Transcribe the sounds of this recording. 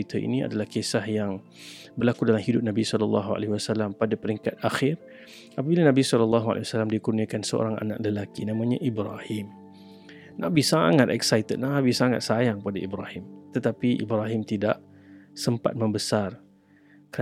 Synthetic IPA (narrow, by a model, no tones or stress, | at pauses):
it̪ʰaʔḭnia̰dalahkesahjaŋ | bərlakudalamhidʊp̚nabisɔlɔlːɑ̰ɦua̰lehiwasalampadapəɾiŋkat̪̚axɪr | apabilanabisɔlɔlːɑɦua̰lʔḛwasalamdikurniakansəo̰ɾaŋa̰na̰ʔ̚ləlakinamãɲaʔibɾahɪm | nʔa̰ʔbisaŋat̪ɛksajt̪əd̪̚nabisaŋa̰t̪̚sajaŋkəpadaibɾahɪmt̪ət̪apiʔḭbɾaɦɪmt̪idaʔ | səmpa̰t̪̚məmbəsar | kəɾa